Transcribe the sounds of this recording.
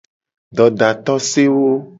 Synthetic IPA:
ɖɔ˨ɖa˨t̪ɔ˦se˦wo˦

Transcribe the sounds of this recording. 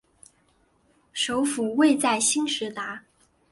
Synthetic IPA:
ʂo˧˥ʊfu˨˩we˥˧ɪt͡sa˥˩ɪɕi˥nʂɻ̩˧˥t̪a˧˥

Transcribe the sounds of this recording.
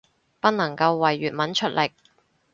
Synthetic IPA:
pɐ˥t̚nɐ˨˩ŋkɐ˧wːɐ˨˩jːyː˨t̚mɐ˨˥nt͡ʃʰɵ˥t̚lɪ˨˩k̚

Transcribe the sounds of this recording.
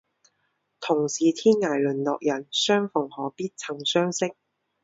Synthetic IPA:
t̪ʰʊ˨˩ŋsiː˨t̪ʰiː˥nŋaː˨˩jlɵ˨˩nlɔː˨k̚jɐ˨˩nsœː˥ŋfʊ˨˩ŋhɔː˨˥piː˥t̚t͡sʰɐ˨˩ŋsœː˥ŋsɪ˥k̚

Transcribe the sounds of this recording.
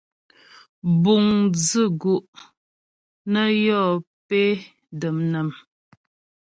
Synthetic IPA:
bu˨ŋd͡zə˦˨ɡu˨ʔ | nə˦jɔ˦˨ | pe˦ | də˨mnə˨m

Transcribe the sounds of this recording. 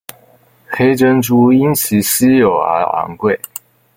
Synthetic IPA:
xe˥ɪʈ͡ʂə˥nʈ͡ʂu˥i˥nt͡ɕʰi˧˥ɕi˥jo˨˩ʊə̰˧˥a̰˧˥ŋkwe˥˩ɪ

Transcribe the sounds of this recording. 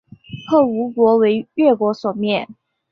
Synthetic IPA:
pʰɤ˥˩u˧˥kwɔ˧˥we˧˥ɪɥɛ˥˩kwɔ˧˥swɔ˨˩mjɛ˥˨n

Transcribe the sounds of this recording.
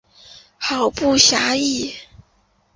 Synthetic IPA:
xɑ˨˩ʊpu˥˩ɕja˧˥i˥˩

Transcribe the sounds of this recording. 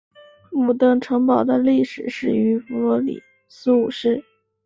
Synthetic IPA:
mu˨˩t̪ɤ˥˩ŋʈ͡ʂʰɤ˧˥ŋpɑ˨˩ʊd̪ə˦li˥˩ʂɻ̩˨˩ʂɻ̩˥˩y˧˥fu˧˥lwɔ˧˥lḭ˨˩ | su˥u˨˩ʂɻ̩˥˩

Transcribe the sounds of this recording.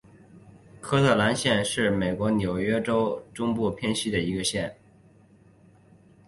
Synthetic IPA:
kʰɤ˥t̪ʰɤ˥˩la˧˥nɕjɛ˥˧nʂɻ̩˥˩me˨˩ɪkwɔ˧˥nʲjo˨˩ʊɥɛ˥ʈ͡ʂo˥ʊʈ͡ʂʊ˥ŋpu˥˩pʰjɛ˥nɕi˥d̪ə˨i˧˥ɡə˧ɕjɛ˥˩n

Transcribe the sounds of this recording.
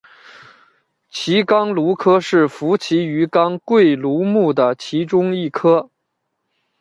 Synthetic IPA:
t͡ɕʰi˧˥kɑ˥ŋlu˧˥kʰɤ˥ʂɻ̩˥˩fu˧˥t͡ɕʰi˧˥y˧˥kɑ˥ŋkwe˥˩ɪlu˧˥mu˥˩d̪ə˩t͡ɕʰi˧˥ʈ͡ʂʊ˥ŋi˥˩kʰɤ˥

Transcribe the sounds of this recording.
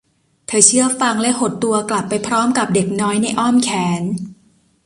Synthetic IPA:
t̪ʰɤː˧t͡ɕʰɯ˥˩ɐfa˧ŋlɛ˦˥ho˨˩t̪ːu˧ɐkla˨˩pːa˧jpʰɾɔː˦˥mka˨˩p̚de˨˩k̚nɔː˦˥jna˧jʔɔ˥˩mkʰɛː˨˩˦n

